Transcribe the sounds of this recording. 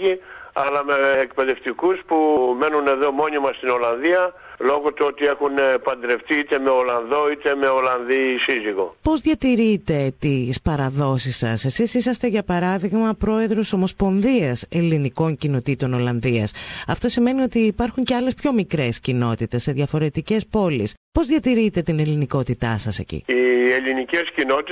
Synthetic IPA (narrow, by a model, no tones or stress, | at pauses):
iɐlɐme̞ːk̚pe̞ðe̞ft̪ikuspume̞nune̞ðo̞mo̞nimɐst̪ino̞lɐnðiɐ | lo̞ɣot̪uot̪ie̞xunpɐnd̪ɾe̞ft̪iit̪e̞me̞o̞lɐnðo̞it̪e̞me̞o̞lɐnðisiziɣo̞̰po̞zðʝɐt̪iɾit̪e̞t̪ispɐɾɐðo̞sisːɐ̰se̞sisisɐst̪e̞ʝɐpɐɾɐðiɣmɐpɾo̞e̞ðɾo̞so̞mo̞spo̞nðiɐse̞liniko̞ɲcino̞t̪it̪o̞no̞lɐnðiɐsɐft̪o̞sime̞nio̞t̪iːpɐɾxuɲce̞ɐle̞spço̞mikɾe̞scino̞t̪it̪e̞sːe̞ðʝɐfo̞ɾe̞t̪ice̞spo̞lispo̞zðʝɐt̪iɾit̪e̞t̪ine̞liniko̞t̪it̪ɐsɐse̞̰cḭielinicescinot̪i